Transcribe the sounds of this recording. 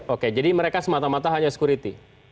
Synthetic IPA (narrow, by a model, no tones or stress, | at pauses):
oked͡ʒadiməɾekasəmat̪amat̪aɦaɲasə̥kuɾit̪i